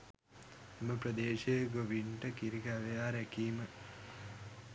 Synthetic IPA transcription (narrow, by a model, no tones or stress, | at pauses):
eməprəd̪eːʃejəɡoʋiɳʈəkiɾiɡaʋejaːɾækiːmə